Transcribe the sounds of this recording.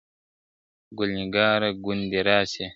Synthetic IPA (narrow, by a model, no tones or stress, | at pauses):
ɡulɲiɡaːɾaɡund̪iɾaːsɛ